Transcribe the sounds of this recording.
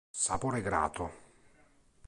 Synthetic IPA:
sapoːɾeɡɾa̰ːt̪ʊ

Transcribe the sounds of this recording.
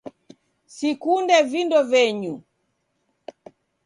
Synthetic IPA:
sikundɛvindɔvɛɲu

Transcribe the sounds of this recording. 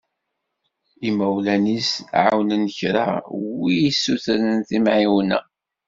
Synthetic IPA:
imæwlænisʕawnənəçɾa̰wijisːuθɾənθimʕiwnæ̰

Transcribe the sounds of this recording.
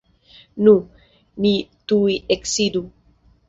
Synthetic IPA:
nu | nit̪uiʔeksid̪u

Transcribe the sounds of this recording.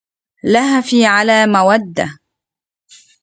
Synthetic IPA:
lahafiːʕalaːmawad̪ːa

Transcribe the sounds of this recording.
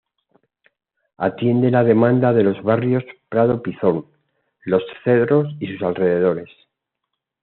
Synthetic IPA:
at̪je̞nd̪e̞laðe̞mãnd̪aðe̞lo̞zβarjo̞spɾað̞o̞piθo̞ŋ | lo̞sθe̞ðɾo̞sisusalre̞ðe̞ð̞o̞ɾe̞s

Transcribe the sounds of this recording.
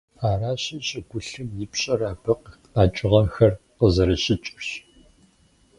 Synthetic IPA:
aːraːɕɐɕʼɐɡʷʊɬɨmjɪpɕʼɐraːbɨq | aːt͡ʃʼɪʁɐmxɐr | qəzɐɾɐɕɪt͡ʃʼɪrɕ

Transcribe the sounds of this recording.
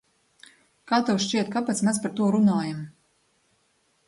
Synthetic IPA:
kaːt̪ɛwʃt͡ʃiɛt̪̚kapɛt̪smʲɛspaɾt̪uɔɾunaːjam

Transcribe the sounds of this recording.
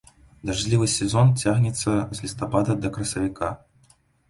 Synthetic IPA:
d̪aʐʲlʲivɨsʲɛzɔnt͡sʲaɣnʲɛt̪sːɐzʲlʲist̪apad̪ɐd̪ɐkɾɐsɐvʲika

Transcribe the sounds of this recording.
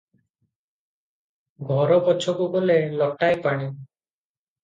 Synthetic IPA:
ɡʱɔɾɔbɔt͡ʃʰɔkubɔlelɔʈajpaɽ̃i

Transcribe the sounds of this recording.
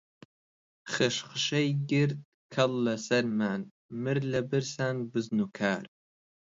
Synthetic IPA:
χɨʃχʃɐjɡʲɪrt̪ | kʰɐlːɐsɐɾmaːn | mɨɾlɐbɨrsaːnbɨznukʰaːr

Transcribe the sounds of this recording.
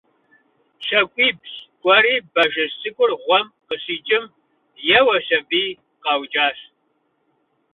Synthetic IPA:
ɕɐkʷʼiːbɕɡʷʼɔɾiːbɐʒɨsʼɨkʷʼʊrʁʷɔmqəɕiːt͡ʃʼɪm | jɛwɐɕɐbiː | qɑwd͡ʒʼaːɕ

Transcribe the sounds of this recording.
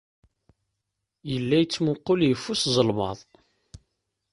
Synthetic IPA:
jəlːæjət͡sːmʊqːoljəfːuszˤəlmɑ̰ðˤ

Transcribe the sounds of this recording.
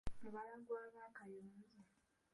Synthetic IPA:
aβaɾaɡwaβakajoza

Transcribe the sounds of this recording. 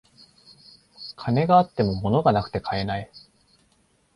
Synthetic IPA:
kʰane̞ɡaːt̪ːe̞mo̞mo̞no̞ɡanakɯ̥t̪e̞kʰae̞nai

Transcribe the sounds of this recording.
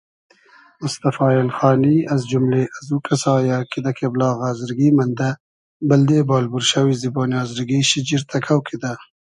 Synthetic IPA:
mʊst̪afɑːɪlxɑːniazd͡ʒʊmleʔazukasɑːjakid̪akʰeblɑːɣazɪɾɡimand̪a | bald̪eːbɑːlbuɾʃawiziboːnjɑːzɪɾɡiʃid͡ʒiɾt̪ʰakʰawkʰid̪a

